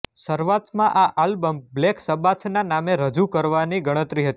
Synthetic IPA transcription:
səɾʋat̪mãʔaʔalbəmblɛksəbat̪ʰnanameɾəd͡ʒukəɾʋaniɡəɽ̃ət̪ɾiɦət̪i

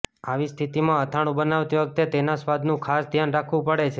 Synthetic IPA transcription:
aʋist̪ʰit̪imãət̪ʰaɽ̃ũbənaʋt̪iʋək̚t̪et̪enasʋad̪nũkʰasd̪ʱjanɾakʰʋũpəɽet͡ʃʰe

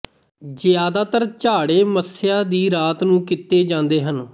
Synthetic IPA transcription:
zjaːd̪aːt̪əɾt͡ʃaːɽeːməsjaːd̪iːɾaːt̪nũːkɪt̪ːeːd͡ʒãːnd̪eːɦən

